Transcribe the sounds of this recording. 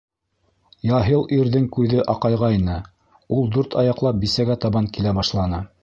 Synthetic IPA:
jɑɦilˠʔiɾðɘŋkʉðɘʔɑqɑjʁɑinɤ | ulˠd̪ʉɾt̪ʰɑjɑqlˠɑp̚bisæɡæt̪ɑβɑŋkilæbɑʃlˠɑnɤ

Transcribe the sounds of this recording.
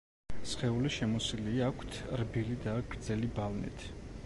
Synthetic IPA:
sχɛuliʃɛmɔsiliakʷʰt̪ʰɾbilid̪aɡ̥ɾd̪zɛlibalnḭt̪ʰ

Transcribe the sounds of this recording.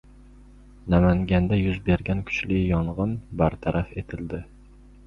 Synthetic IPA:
næmæŋɡʲand̪æjʊzbeɾɡʲankʲʰʊ̥t͡ʃlɪjɒɴʁɨnbaɾt̪ʰaɾʔafet̪ʰɪld̪ɪ

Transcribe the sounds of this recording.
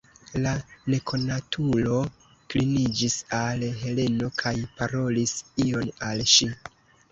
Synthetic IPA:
lane̞kʰo̞natʰulo̞ | klinid͡ʒisalɦe̞le̞no̞kʰajpaɾo̞lisio̞nalʃi

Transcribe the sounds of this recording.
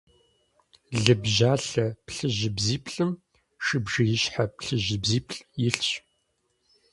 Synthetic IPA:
ɮɨbʒaːɬɐpɬɨʑɪbziːpʼɬʼɨm | ʃɨbʒɐjɪɕħapɬɨʒɪbziːpʰʼɬʼjɪɬɕʼ

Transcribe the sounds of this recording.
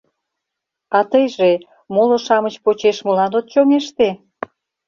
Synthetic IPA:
ɑt̪əjʒe | moloʃɑmət͡ɕpot͡ɕeʃmulɑnot̪̚t͡ɕoŋeʃt̪e

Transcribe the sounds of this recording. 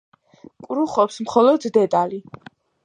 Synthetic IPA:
kʼɾuχɔpsmχɔlɔd̪d̪ɛd̪ʼali

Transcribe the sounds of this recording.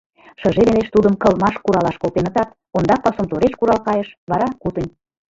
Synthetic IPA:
ʃə̆ʒeleleʃt̪ud̪əmkɤlmɑʃkuɾɑlɑʃkolt̪enə̆t̪ɑt̪ | ond̪ɑpɑsomt̪oɾeʃkuɾɑlkɑjə̆ʃβɑɾɑkut̪ə̆nʲ

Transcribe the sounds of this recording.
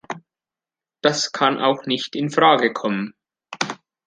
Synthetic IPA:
d̥askʰanʔa̰ʊxnɪçtɪnfʁ̥aːɡəkʰɔmən

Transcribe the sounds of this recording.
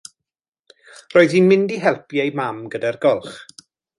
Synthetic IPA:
roːɨðinmɪndiɦɛlˠpjejmamɡədarɡɔlˠχ

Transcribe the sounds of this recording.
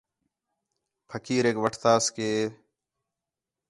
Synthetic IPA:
pʰəkiːɾeːkʋəʈʰt̪aːskeː

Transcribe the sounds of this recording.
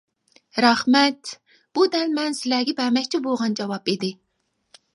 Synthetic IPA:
ɾɑχmɛt̪ | b̥ud̪ɛnmɛnsɨlæɡʲipæmɛkʲt͡ʃʰibolˠʁɑnd͡ʒɑwɑpid̪ɪ

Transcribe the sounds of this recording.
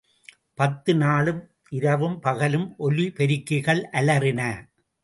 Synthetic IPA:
pɐt̪ːɯnaːɭɯm | ʔɪɾɐʋɯmpɐɣɐlɯmʔɔlipɛɾɪkːɪɣɐɭʔɐlɐɾɪnɐ

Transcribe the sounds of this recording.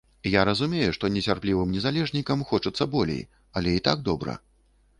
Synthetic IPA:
jaɾɐzumʲejuʂt̪ɔnʲɛsʲarplʲivɨmnʲɛzalʲɛʐnʲikɐmxɔt͡ʂɨt̪sːɐbɔlʲḛj | ɐlʲɛit̪aɡ̚d̪ɔbɾɐ̰

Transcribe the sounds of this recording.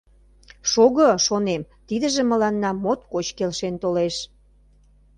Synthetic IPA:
ʃoɣəʃonem | t̪id̪ə̆ʒĕmə̆lɑnːɑmot̪kot͡ɕkelʃent̪oleʃ

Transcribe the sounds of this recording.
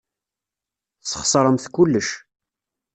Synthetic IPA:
θə̥χsˤɾˤəmθkʊlːəʃ

